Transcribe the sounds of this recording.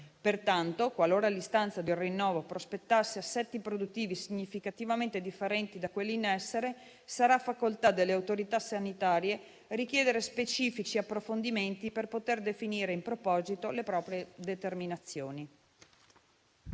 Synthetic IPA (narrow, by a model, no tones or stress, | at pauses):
pert̪ant̪okwaloːɾalist̪ant̪sad̪elrinːɔːvopɾospet̪ːasːeasːɛt̪ːipɾod̪ut̪ːiːvisiɲːifikat̪ivament̪ed̪ifːeɾɛnt̪id̪akwelːiinɛsːeɾe | saɾaːfːakolt̪ad̪elːeawt̪oɾit̪asanit̪aːɾje | rik̟jɛːd̪eɾespet͡ʃiːfit͡ʃiapːɾofond̪iment̪iperpot̪erd̪efiniːɾeimpɾopɔːzit̪olepɾɔːpɾjed̪et̪erminat̪sːjoːni